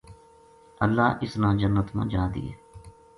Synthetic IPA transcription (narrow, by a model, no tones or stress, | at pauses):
əlːaːʔɪsnãːd͡ʒənːət̪mã̰ːd͡ʒãːd̪ḭːɦɛː